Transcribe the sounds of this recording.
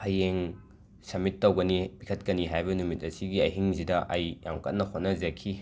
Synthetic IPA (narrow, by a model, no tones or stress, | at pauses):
ɐjeŋ | sɐmitːɐwɡɐnibikʰɐt̚kɐniɦajbɐnumit̚ɐsiɡiɐjɦiŋzidɐʔɐjja̰ŋkɐt̚nɐkʰot̚nɐzɐkʰi